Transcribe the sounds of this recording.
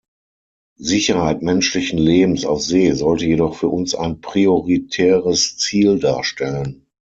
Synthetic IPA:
zɪçɐhaɪtmɛnʃlɪçn̩leːbm̩sa̰ʊfz̥eːzɔltəjeɾɔχfyːɐʔʊnsa̰ɪnpʁ̥ioʁitʰɛːʁəst͡siːldaːɐʃtɛlən

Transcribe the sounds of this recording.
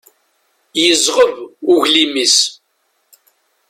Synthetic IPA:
jəzˤʁəvʊʝlimis

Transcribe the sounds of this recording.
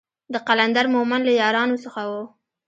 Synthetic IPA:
d̪əqaland̪aɾmomanlajɑɾɑnosəxawo

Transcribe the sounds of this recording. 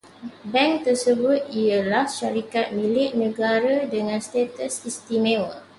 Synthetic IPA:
bɛ̃ŋt̪ərsəbʊt̪̚iəlahʃaɾikat̪̚mĩlɪʔ̚nə̃ɡaɾədəŋãnst̪et̪əsist̪imẽwə

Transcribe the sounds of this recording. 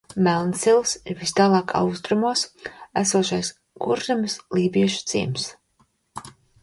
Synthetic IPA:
mælˠnsilˠsiɾvist̪aːlˠɑːkʰa̰wst̪ɾumuɔsæ̰suɔʃajs | ɡuɾzamslˠiːbiɛʃu̥t̪sḭːms

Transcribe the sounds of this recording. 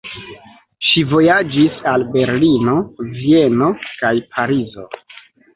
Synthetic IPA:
ʃivo̞jad͡ʒisalbe̞ɾlino̞vie̞no̞kajpʰaɾizo̞̰

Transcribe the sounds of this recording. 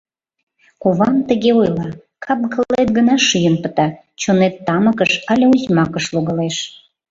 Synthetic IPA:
koβɑmt̪əɣeojlɑ | kʰɑp̚ɡəllet̪̚ɡənɑʃyjənpət̪ɑ | t͡ɕonet̪ːɑməkəʃɑlʲeuzʲmɑkəʃloɣəleʃ

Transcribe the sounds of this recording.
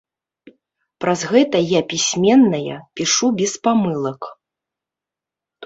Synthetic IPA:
pɾazɣɛt̪ɐjapʲisʲmʲɛnːɐjɐ̰pʲiʂubʲɛspamɨlˠɐk

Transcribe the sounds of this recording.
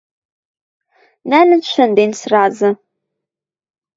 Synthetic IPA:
næːlɨnʃʷʰɐndensraːzɐ

